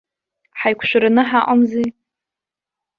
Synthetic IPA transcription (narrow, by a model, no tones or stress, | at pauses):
ħajkʷʰʃʷᶣaɾanɨħaʔʼamzi